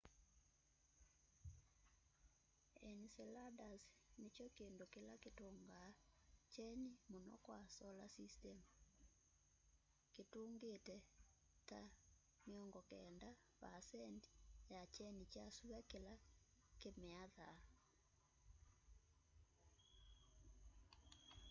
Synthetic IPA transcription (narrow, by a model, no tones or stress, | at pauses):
ɛnisɛladasnet͡ʃɔkeːndokelaketoŋɡat͡ʃɛnimonɔ̰kwasɔlasistɛm | ketoːŋɡetɛ | ta | meɔŋɡɔkɛnda | pasɛnti̥jat͡ʃɛnit͡ʃasuβɛkela | kemeaða